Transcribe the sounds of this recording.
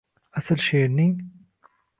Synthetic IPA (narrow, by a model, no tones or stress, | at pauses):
ɐsɐlʃeːni